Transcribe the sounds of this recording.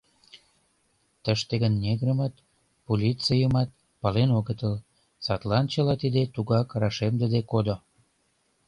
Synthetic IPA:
t̪əʃt̪eɣənːʲeɣɾəmɑt̪ | polʲit͡sijəmɑt̪̚ | pɑlenoɣət̪əl | sɑt̪lɑnt͡ɕəlɑt̪id̪et̪uɣɑkrɑʃemd̪əd̪ekod̪o

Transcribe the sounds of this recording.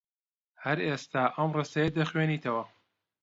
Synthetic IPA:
hɐɾeːst̪aːʔɐmresɐjɐd̪ɐxweniːt̪ʰɐwɐ

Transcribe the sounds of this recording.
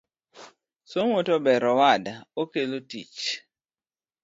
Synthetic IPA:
soŋotɔbɛɾɔwadaokelotḭt͡ʃ

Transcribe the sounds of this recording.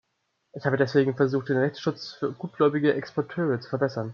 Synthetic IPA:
ʔɪçhaːbədɛsv̥eːɡŋ̩fɛɐzuːxt̚d̥eːnʁɛçt͡sʃʊt͡sfyːɐɡuːt̚ɡ̥lɔʏbɪɡəʔɛkspʰɔɐtʰøːʁ̞ət͡su̥fɛɐbɛsɐn

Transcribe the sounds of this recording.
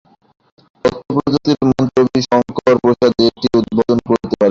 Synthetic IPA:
ɔt̪ʰːopɾot̪ot̪iɾmɔnt̪obiʃɔŋkɔɾpɾoʃad̪ek̚ʈiud̪̚bod̪onkoɾt̪epaɾe

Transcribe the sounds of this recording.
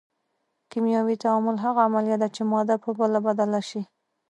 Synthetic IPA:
kimjɑwit̪aamʊlɦaɣaːmaljat̪̚d̪at͡ʃemɔd̪apəbəlabad̪alaʃi

